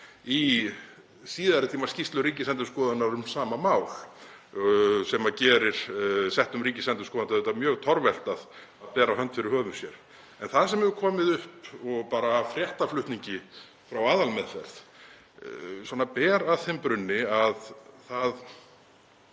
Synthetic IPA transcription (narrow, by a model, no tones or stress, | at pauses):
i | siːðaɾɪt̪ʰiːmascist̪lʏɾiːcɪsɛnt̪̬ʏɾskɔːðanaɾʏmsaːmamaːwl | sɛmacɛːɾɪɾ̥sɛht̪ʏmɾiːcɪsɛnt̪ʏ̥skɔːðant̪ʰaɛt̪amjœːɣt̪ʰɔɾvɛl̥t̪að | aðpɛːɾaɦœnt̪fɪɾɪɾhœːvʏmsjɛɾ̥ | ɛnθaðsɛmɛvʏkʰɔːmɪðʏhpɔɣpaːɾaːfɾjɛht̪aflʏht̪niɲcɪ | fɾawaːðalmɛðfɛ̰ɾ̥θ | swɔːnapɛːɾaðθɛmpɾʏnːɪaðθað